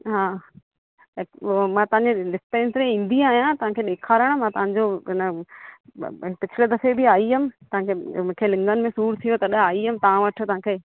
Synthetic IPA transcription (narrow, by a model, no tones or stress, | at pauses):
ɦaː | mãːt̪ɐʋãɲd͡ʑelɪst̪eɪ̃nsɾẽĩːn̆d̪iaːɦijãt̪ɐɦãkʰeːɗeːkʰaːɾəɽ̃mãt̪ɐʋ̤ɦãɲd͡ʑoɦɪnə | pɪt͡ɕʰɪled̪ɐfebɪaːiɦɐmɪ̆t̪ɐʋãːkʰemũːkʰelɪ̃ŋɡənɪ̆mẽsuːɾt̪ʰijot̪ɐɗaːiɦəmɪ̃t̪ɐʋãʋɐʈʰot̪ɐɦãːkʰeː